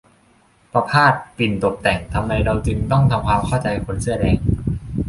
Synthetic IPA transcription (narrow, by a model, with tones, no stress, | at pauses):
pɾa˧pʰaː˥˩t̪̚pi˨˩nt̪o˨˩p̚t̪ɛ˨˩ŋt̪ʰa˧mɾa˧jɾa˧wt͡ɕɯ˧ŋt̪ɔ˥˩ŋt̪ʰa˧mkʰwaː˧mkʰɔ˥˩wt͡ɕa˧jkʰo˧˥nsɯ˧˩ɐdɛː˧ŋ